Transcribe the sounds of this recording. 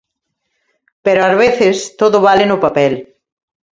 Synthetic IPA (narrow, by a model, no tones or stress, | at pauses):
peɾoazβ̞eθɪst̪oðʊβalɪnʊpapɛl